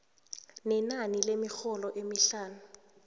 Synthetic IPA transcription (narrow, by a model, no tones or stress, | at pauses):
nɛnanilemixɔlɔʔemiɬaːnu